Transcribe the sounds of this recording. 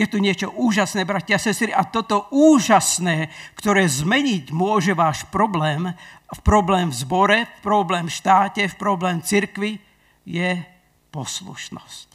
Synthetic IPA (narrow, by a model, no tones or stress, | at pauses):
jɛt̪uɲɪɛt͡ʃɔʔuːʒasnɛːbɾacɪasɛst̪ɾiat̪ɔt̪ɔʔuːʒasnɛːkt̪ɔɾɛːzmɛɲiɟmʊɔʒɛʋaːʃpɾɔblɛːmfpɾɔblɛːmvzbɔɾɛfpɾɔblɛːmʃt̪aːcɛfpɾɔblɛːmt͡siɾkʋi | jɛ | pɔslṵʃnɔ̰sc̚